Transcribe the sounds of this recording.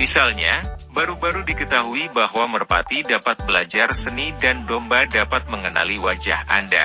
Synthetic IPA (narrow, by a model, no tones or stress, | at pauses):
misalɲabaɾubaɾudikət̪aɦuibahwamərpa̰t̪idapat̪̚bəlad͡ʒarsənidandɔmbadapat̪̚məŋəna̰liwad͡ʒa̰hʔa̰nda̰